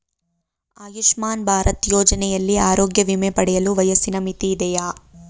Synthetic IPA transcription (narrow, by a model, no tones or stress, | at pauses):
aːjuʂmaːnbʱaːɾɐt̪joːd͡ʒɐnɛjɐlːiaːɾoːɡjɐʋimepɐɽɛjɐluʋɐjɐsinɐmit̪iːd̪ɛjaː